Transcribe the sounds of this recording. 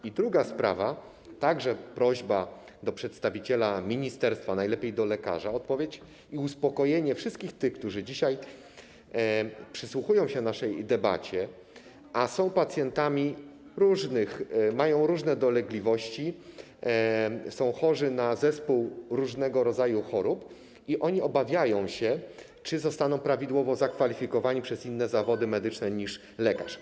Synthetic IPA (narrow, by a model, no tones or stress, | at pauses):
id̪ɾuɡaspɾa̰va | t̪aɡʐɛpɾɔʑba | d̪ɔpʂɛt̪st̪avʲit͡ɕɛlamʲiɲist̪ɛɾst̪fanajlɛpʲejd̪ɔlɛka̰ʐaɔt̪̚pɔvʲjet͡ɕ | iuspɔkɔjeɲɛfʂɨst̪kʲixt̪ɘxk̚t̪uʐɘd͡ʑiɕaj | pʂɘswuxujɔ̃w̃ɕɛnaʂɛjd̪ɛba̰t͡ɕɛ | ʔasɔ̃w̃pat̪sʲjɛnt̪amʲi | ɾuʐnɘxmajɔ̃w̃ɾuʐnɛd̪ɔlɛɡlʲivɔɕt͡ɕi | sɔ̃w̃xɔʐɘnazɛspuwɾuʐnɛɡɔɾɔd̪zajuxɔɾup | iʔɔɲiɔbavʲjajɔ̃w̃ɕɛ | t͡ʂɘzɔst̪anɔ̃w̃pɾavʲid̪wɔvɔzakfalʲifʲikɔvaɲipʂɛzinːɛzavɔd̪ɘmɛd̪ɘt͡ʂnɛɲiʂ | lɛkaʂ